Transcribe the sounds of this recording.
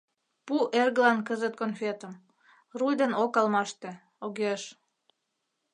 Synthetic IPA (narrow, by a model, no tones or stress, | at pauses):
puʔerɣəlɑnkəzət̪̚konfʲet̪əm | rujd̪enokɑlmɑʃt̪e | oɣeʃ